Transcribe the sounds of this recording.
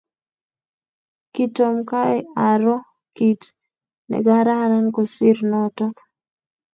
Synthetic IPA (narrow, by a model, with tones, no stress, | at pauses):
ki˦to˨mka˦ɛʔa˨ɾɔ˦ | ki˨t | nɛ̰˨ɡa˦ɾa˦ɾa˦nko˨sɪ˦ɾnɔtɔ˦